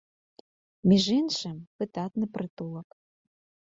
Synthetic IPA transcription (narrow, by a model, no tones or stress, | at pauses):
mʲiʒenʃĕmpɨt̪ɑt̪nɨ̆prɨt̪ulˠɤ̆k